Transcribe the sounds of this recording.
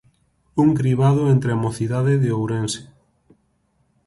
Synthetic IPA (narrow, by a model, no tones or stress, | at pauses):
uŋkɾiβaðʊent̪ɾeamoθiðaðɪðeowɾẽnse̥